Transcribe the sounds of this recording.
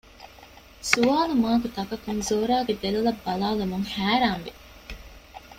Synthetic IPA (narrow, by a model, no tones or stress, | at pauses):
suʋaːlumaːkut̪ɐkɐkunzoːɾaːɡed̪elulɐbːɐlaːlumuŋhæːɾaːmʋe